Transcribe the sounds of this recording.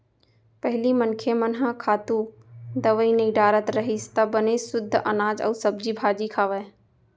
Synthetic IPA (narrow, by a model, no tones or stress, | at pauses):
pɐɦɪlimənkʰemənɦãkʰaːt̪u | d̪ɐʋəinɐĩɖaːɾət̪ɾɐɦiːst̪ɐbɐnesʊd̪ʱːʔɐ̰naːd͡ʒɐ̰usɐbd͡ʒibʱaːd͡ʒikʰaːʋə